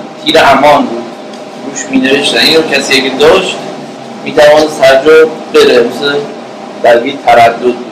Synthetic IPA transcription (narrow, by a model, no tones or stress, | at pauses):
t̪ʰiːɾehæmɒːnbuːd̪̚ | ɡ̥uːʃmiːneveʃt̪æniːnɾokcʰæsiːjekʲed̪ɒːʃt̪ | miːt̪ʰævɒːnesæɾd͡ʒobeɾemise | d̪̥ælbiːt̪ʰæɾæd̪ːod̪̚